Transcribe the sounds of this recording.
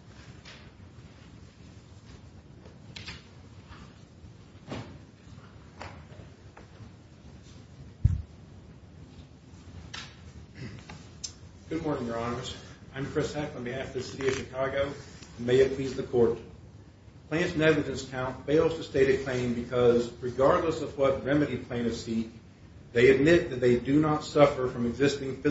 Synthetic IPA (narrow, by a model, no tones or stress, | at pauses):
ɡ̥ʊd̚mɔɹnɪ̃ŋjə˞ɑnə˞zãɪ̃mkʰɹ̥ɪshɛkʌ̃n̩ðiæfʌðɨsɪɾiʌv̥ʃɨkʰɑɡoʊɨ̃nmeɪɨpʰl̥izðɨkʰɔɹt | pʰl̥æ̃ntsnɛɡlɨd͡ʒɨ̃nskʰãʊ̃ntfeɪlˠz̥tʰɨsteɪɾɨkʰl̥ẽɪ̃mbɨkʰʌzɹɨɡɑɹdˡləsʌvwʌt̚ɹɛmɨɾipʰl̥ẽɪ̃ɾ̃ʌv̥sik̚ | ðeɪɨd̚mɪt̪̚ðɨt̪̚ðeɪdɨnətsʌfə˞fɹʌ̃mɨɡzɪstɪ̃ŋfɪ